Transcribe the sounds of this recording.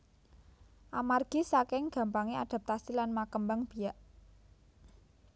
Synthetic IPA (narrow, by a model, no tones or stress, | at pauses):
ʔamarɡ̥i̤sakɪŋɡ̥ä̤mpaŋiad̪̥a̤p̚t̪asilanmakəmbaŋb̥i̤jaʔ